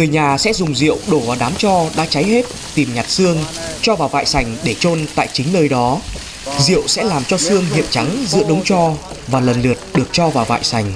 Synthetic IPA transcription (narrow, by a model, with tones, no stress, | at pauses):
ŋɨ˨˩əjɲaː˨˩sɛ̰˧˥zʊ˨˩ŋ͡mzḭ˧˨əwɗo˧˩vaː˨˩ɗaː˨˦mt͡ɕɔ˧ɗa̰ː˧˥t͡ɕa˨˦jhe˦˥t̚ | t̪i˨˩mɲa˨˩t̚sɨ˧əŋt͡ɕɔ˧vaː˨˩wva̰ː˧˨jsa˨˩jŋ̟ɗe˧˩t͡ɕo˧nt̪a̰ː˧˨jt͡ɕï˨˦ŋ̟nəː˧jɗɔ˨˦ | zḭ˧˨əwsɛ̰˧˥laː˨˩mt͡ɕɔ˧sɨ˧əŋɦḭ˧˨əmt͡ɕa˨˦ŋzɨ̰˧˥əɗə˨˦wŋ͡mt͡ɕɔ˧ | vaː˨˩lə˨˩nlɨ˨˩ət̚ɗɨ˨˩ək̚t͡ɕɔ˧vaː˨˩wva̰ː˧˨jsa˨˧˩jŋ̟